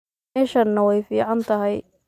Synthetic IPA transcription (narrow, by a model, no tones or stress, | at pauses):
ɛːʃɐnːɐwɛjfiːʕɑnt̪ʰɐɦɛj